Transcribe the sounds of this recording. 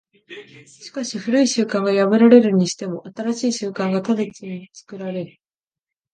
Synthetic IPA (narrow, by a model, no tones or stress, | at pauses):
ɕi̥kaɕiɸɯ̟ɾɯ̟iɕɨːkãŋɡajabɯ̟ɾaɾe̞ɾɯ̟ɲ̟iɕi̥t̪e̞mo̞ʔat̪aɾaɕiːɕɨːkãŋɡat̪ad̪et͡siɲit͡sɨ̥kɯ̟ɾaɾe̞ɾɯ̟